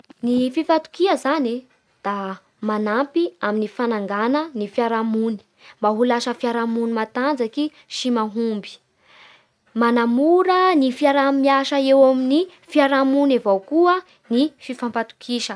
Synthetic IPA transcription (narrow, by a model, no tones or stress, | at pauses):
nififat̪u̥kiəzani | d̪̥a | manampiaminifanaŋɡanənifiaɾamuni̥ | mbaɦulaʃəfiaɾamunimat̪and͡zaki | ʃimaɦumbi̥ | manamuɾənifiaɾamiaʃəewamini | fiaɾamunavawkuə | nififampat̪u̥kʰiʃə